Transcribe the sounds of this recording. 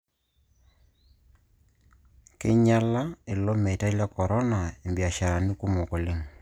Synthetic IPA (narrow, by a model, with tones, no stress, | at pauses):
ke˦ɲa˦la˦e˨lɔ˦me˨ta˦la˦kɔ˨ɾɔ˦na˨e˨mbi˨a˨ʃa˨ɾa˨ni˦ku˦mɔ˨ko˨le˦ŋ